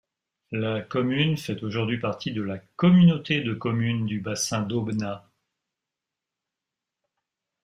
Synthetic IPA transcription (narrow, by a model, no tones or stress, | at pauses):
lakɔmynfɛt̪oʒuʁd̪ɥipaʁt̪ʰid̪əlakɔmynot̪ed̪əkɔmynd̪ybasɛ̃d̪obna